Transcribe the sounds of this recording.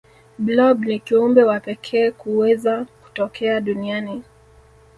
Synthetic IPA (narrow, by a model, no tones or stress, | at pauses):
blɔbnikiumbɛwapɛkʰɛːkuwɛzaku̥tɔkɛaɗuniani